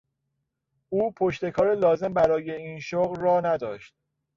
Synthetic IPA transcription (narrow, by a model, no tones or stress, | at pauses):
uːpʰo̞ʃt̪e̞kʰɒːɾelɒːze̞mbæɾɒːje̞iːnʃoɣlːɒːnæd̪ɒːʃt̪̚